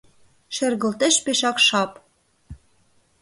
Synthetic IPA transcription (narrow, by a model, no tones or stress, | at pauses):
ʃɘ̆rɣə̆lt̪ĕʃpeʃɑkʃɑp